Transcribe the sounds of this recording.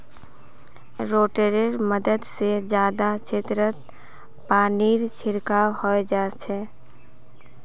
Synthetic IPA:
ɾoːʈeɾeɾməd̪əd̪sed͡ʒjaːd̪at͡ʃʰet̪ɾət̪ | paːniːɾt͡ʃʰɪɾkaːwhoed͡ʒaːt͡ʃʰɛː

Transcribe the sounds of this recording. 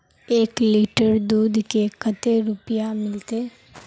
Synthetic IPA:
eːkliːʈəɾd̪uːd̪kekət̪eɾʊpijamɪlt̪e

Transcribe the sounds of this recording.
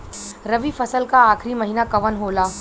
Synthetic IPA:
ɾɐʋifɐsəlkaaːkʰɾimɐɦinakɐʋənɦoːlaː

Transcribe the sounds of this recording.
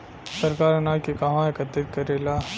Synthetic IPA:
sɐɾkaːɾɐnaːjkekaɦãekɐt̪ːɪt̪̚kɐɾeːlaː

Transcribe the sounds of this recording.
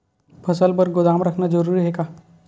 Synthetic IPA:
pʰəsəlbəɾɡod̪amɾəkʰnad͡ʒəɾuːɾiɦekaː

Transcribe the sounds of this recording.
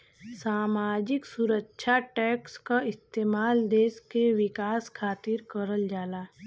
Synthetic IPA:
saːmaːd͡ʒɪksuɾəkːʃʰaʈɛːkskaɪst̪eːmaːld̪eːskeʋɪkaːskʰaːt̪ɪɾkəɾəld͡ʒaːlaː

